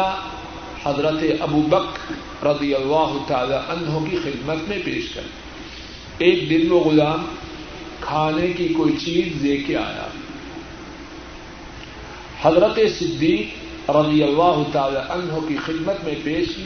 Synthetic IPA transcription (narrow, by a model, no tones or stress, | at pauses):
a | hɐzɾət̪eʔɐbuːbɐkɾ | ɾɐd̪ijɐlːaːɦʊt̪aːlaʔɐnɦõkixɪd̪mət̪mẽpeːʃkɐ̰ɾ | eːk̚d̪ɪlmẽɣʊlaːm | kʰaːnekikoːit͡ʃiːzːeːkʰea̰ːja̰ː | hɐzɾət̪esɪd̪ːiːk | ɾɐd̪ijɐlːaːɦʊt̪aːlaʔɐ̃nɦokixɪd̪mət̪mẽpeːʃ